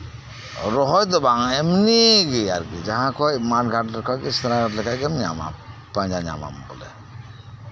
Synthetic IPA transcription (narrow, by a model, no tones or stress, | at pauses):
ɾɔɦɔjd̪ɔbaŋɛmniɡiaɾɡid͡ʒaɦãkɔjmaɾɡʱaʈlɛɾkɔjɡisaɾaɡʱaʈlɛkʰajɡɛmnia̰ma̰paɲd͡ʒaɲa̰ma̰mbɔlɛ̰